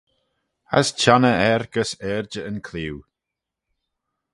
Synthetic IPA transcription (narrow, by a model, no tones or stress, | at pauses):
a̰st͡ʃʰanəɛɾɡ̥əsɛːɹd͡ʒəənkʰliw